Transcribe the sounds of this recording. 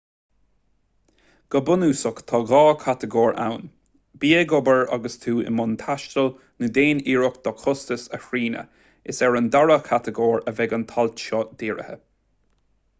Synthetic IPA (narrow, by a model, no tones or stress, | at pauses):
ɡ̥əbʊnuːsʊkt̪ʰɑɣɑːkʰat̪əɡɔːɹa̰wn | biːəɡɔbəɹa̰ɡəst̪ʰuːɪ̰mʊnt̪ʰaʃtəl | nəd̪eːniːɹɔkd̪̥ɔkʰʊst̪əsəhɹiːnə̰ | ɪsɛɹənd̪aɹəkʰat̪əɡɔːɹəvɛɡənt̪ʰɔltʃɔd̪̥iːɹə̰hə̰